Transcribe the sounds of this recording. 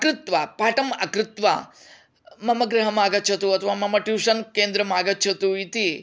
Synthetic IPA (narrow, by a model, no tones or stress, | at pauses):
ɐkɾɪt̪ʋapaːʈɐmɐkɾɪt̪ʋa̰ː | mɐmɐɡɾɐɦɐmaːɡɐtːt͡ʃʰɐt̪uɐt̪ʰɐʋaːmɐmɐʈjuːʂɐnkeːnd̪ɾɐmaːɡɐtːt͡ʃʰɐt̪uit̪i